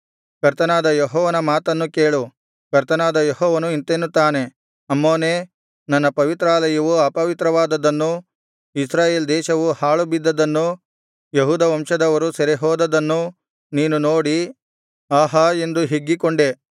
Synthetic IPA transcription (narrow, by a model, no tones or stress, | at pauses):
kɐɾt̪ɐnaːd̪ɐjɦɔːʋɐnɐmaːt̪ɐnːuke̞ːɭu | kɐɾt̪ɐnaːd̪ɐjeɦɔːʋɐnuint̪eːnːut̪ːaːne̞ | ɐmːoːneː | nɐnːɐpɐʋit̪ɾaːlɐjɐʋuaːpɐʋit̪ɾɐʋaːd̪ɐd̪ɐnːu | isɾaːjeːld̪ɛːʃɐʋuhaːɭubid̪ːɐd̪ɐnːu | jeɦuːd̪ɐʋɐmʂɐd̪ɐʋɐɾusɐɾiɦɔːd̪ɐd̪ɐnːu | niːnunoːɽi | aːɦɐe̞nd̪uɦeɡːikoɳɖe